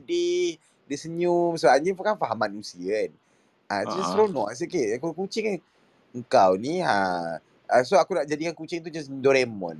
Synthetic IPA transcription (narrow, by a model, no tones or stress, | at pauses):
dih | dəsəɲumsəbaɲəfkanfaɦamanusiən | ʔat̪uast̪ɾonɔ̰ʔs̬ikeʔakukut͡ʃɪŋ | əŋkawniɦa̰ | əs̬oakunaʔd͡ʒadikankut͡ʃɪŋt̪̬ud͡ʒasdoɾɛmɔ̰n